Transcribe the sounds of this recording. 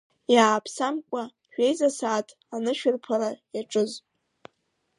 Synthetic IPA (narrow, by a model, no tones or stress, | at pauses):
jaːpʰsamkʷʼa | ʒᶣe̞jzasaːtʼ | anɨʃᶣʏrpʰalajaʈ͡ʂʼɨz